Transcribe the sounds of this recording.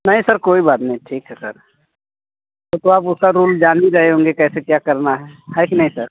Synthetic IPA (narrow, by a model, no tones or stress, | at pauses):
nɐɦĩsɐɾkoːibaːt̪nɐɦĩʈʰiːkɦɛsɐ̰ɾ | t̪ot̪oaːpʊskaɾuːld͡ʒaːniɾɐɦeɦõːŋɡekɛːsekjaːkɐɾnaɦɛːɦɛkinɐɦĩsɐɾ